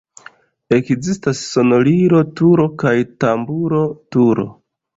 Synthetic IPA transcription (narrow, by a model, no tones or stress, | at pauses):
e̞kzistasːo̞no̞liɾo̞tuɾo̞kajtambuɾo̞tuɾo̞̰